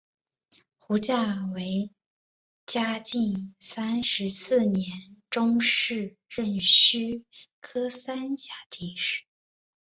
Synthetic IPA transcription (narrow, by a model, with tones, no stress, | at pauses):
xu˧˥t͡ɕja˥˩we˧˥ɪ | t͡ɕja˥t͡ɕi˥˩nsa˥nʂɻ̩˧˥sɹ̩˥˩njɛ˧˥nʈ͡ʂʊ˥ŋʂɻ̩˥˧ | ɻə˥˩nɕy˥kʰɤ˥sa˥nɕja˨˧˩ti˥˧ʂɻ̩˥˩